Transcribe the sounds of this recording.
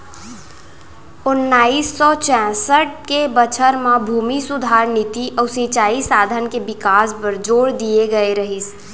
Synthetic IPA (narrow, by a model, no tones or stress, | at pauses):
ʊnːaːiːsːɔt͡ʃɛ̃ːsəʈ̚kebət͡ʃʰəɾmãbʱuːmisʊd̪ʱaːɾnɪt̪iʔɔːsit͡ʃaːisaːd̪ʱənkebɪkaːspəɾd͡ʒoːɽd̪ieɡəeɾəɦis